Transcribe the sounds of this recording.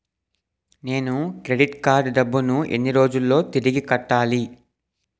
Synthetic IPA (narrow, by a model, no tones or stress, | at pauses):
ne̞ːnukɾe̞ɖiʈkaːɾɖɖɐbːunuḛnːiɾo̞ːd͡ʒulːo̞ːt̪iɾiɡikɐʈːaːli